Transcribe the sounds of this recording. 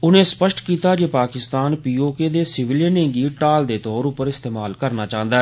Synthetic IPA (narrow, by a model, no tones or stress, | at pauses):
ʊnẽːspəʃʈkiːt̪aːd͡ʒeːpaːkɪst̪aːnpiːoːkeːd̪eːsɪʋɪljənẽːŋɡiːʈaːld̪eːt̪ɔːɾʊpːəɾɪst̪eːmaːlkəɾnaːt͡ʃãːə̃nd̪aːɛ